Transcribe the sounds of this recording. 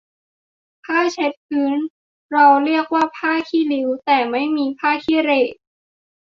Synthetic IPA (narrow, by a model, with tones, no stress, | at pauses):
pʰaː˥˩t͡ɕʰe˦˥t̪̚pʰɯː˨˦˥n | ɾa˧wɾi˥˩ək̚waː˥˩pʰaː˥˩kʰiː˥˩li˧˦˥wt̪ɛː˨˩ma˥˩jmiː˧pʰaː˥˩kʰiː˥˩ɾeː˨˩t̪̚